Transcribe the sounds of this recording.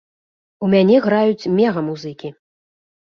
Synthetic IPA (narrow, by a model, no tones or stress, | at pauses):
umʲanʲɛɣɾajut͡sʲmʲɛɣɐmuzɨkʲi